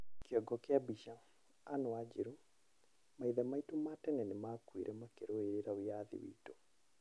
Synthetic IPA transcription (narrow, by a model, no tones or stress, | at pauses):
keɔɡɔkjabiʃa | anoad͡ʒiɾu | maiðɛmaitumatɛnɛnemakwḭɾʔɛmakeɾoeɾeɾawijaðḭwḭːto